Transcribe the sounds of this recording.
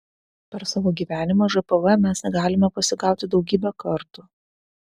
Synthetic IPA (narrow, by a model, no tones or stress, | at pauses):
pʲɛɾsɑːʋoːɡʲiːʋʲæːnʲɪmɐːʒɐpɐʋɐmʲɛsnʲɛɡɑːlʲɪmʲɛpɐsʲɪɡɑˑʊt̪ʲɪd̪ɒʊɡʲiːbʲɛkɐɾt̪uː